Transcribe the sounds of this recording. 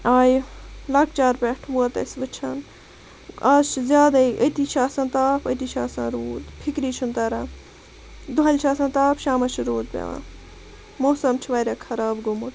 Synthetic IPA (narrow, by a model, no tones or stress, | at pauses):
aːjilɐk̚t͡ʃaːɾpʲɛʈʰʋuɐt̪ɐ̰sʋɨt͡ʃʰɐn | aːzt͡ʃʰizʲjaːd̪aiʔət̪it͡ʃʰaːsɐ̃nt̪aːpʰət̪iːt͡ʃʰaːsã̰ːɾoːd̪pʰikɾiːt͡ʃʰunt̪ɐɾãː | d̪uɐlʲt͡ʃʰaːsãnt̪aːpʰʃaːmɐt͡ʃʰiɾoːd̪̚pʲḛʋã̰ː | moːsɐmt͡ʃʰiʋɐːɾʲakʰɐɾaːbɡumut̪